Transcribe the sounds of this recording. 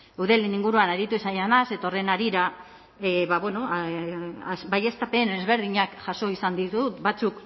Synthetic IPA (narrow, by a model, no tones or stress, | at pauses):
uðeliniŋɡuɾuanaɾit̪uisajanase̞t̪aore̞naɾiɾa | βaβweno̞ | asbaje̞st̪ape̞ne̞zβe̞ɾð̞iɲakʝaso̞isand̪it̪ut̪bat͡suk